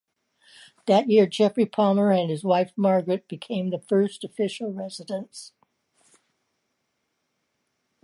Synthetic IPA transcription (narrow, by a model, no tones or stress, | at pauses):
ðɨt̚jɪɹd͡ʒɛfɹipʰɑmə˞ɨ̃nɨzwaɪfmɑɹɡɹɨt̚b̥ɨkʰẽɪ̃mðəfɜ˞stəfɪʃl̩ˠɹɛzɨɾə̃ns